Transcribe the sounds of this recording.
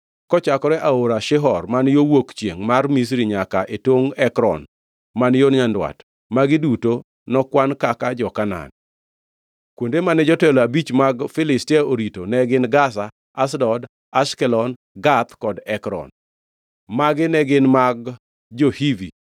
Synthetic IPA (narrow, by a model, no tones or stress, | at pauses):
kɔt͡ʃakɔɾɛʔaoɾaʃɪɦɔrmanjowokt͡ʃjeŋmarmis̬ɾiɲakaʔetwoŋɛkɾɔ̰n | manjonɲandwa̰t | maɡɪduto | nɔkwankakad͡ʒɔkana̰n | kwondemanɛd͡ʒɔtɛlɔabit͡ʃmaɡfɪlɪstiaoɾitonɛɡɪnɡas̬a | asdɔd | askɛlɔn | ɡat̪kɔdɛkɾɔ̰n | maɡɪnɛɡɪnmaɡ̚ | d͡ʒohivḭ